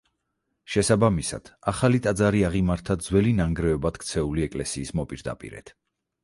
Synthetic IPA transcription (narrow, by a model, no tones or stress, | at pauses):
ʃɛsabamisa̰d̪̥aχalit̪ʼad̪zaɾiaʁimaɾt̪ʰad̪zwɛlinaŋɡɾɛɔbad̪̥kʰt̪sʰɛuliɛkʼlɛsiːsmɔpʼiɾd̪a̰pʼḭɾɛ̰t̪ʰ